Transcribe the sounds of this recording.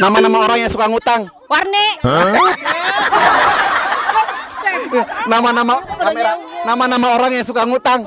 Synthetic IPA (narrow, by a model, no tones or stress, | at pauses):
namanamaoɾaŋjaŋsukaŋut̪aŋ | warne | namanamaameanamanamaoɾaŋjaŋsukaŋut̪aŋ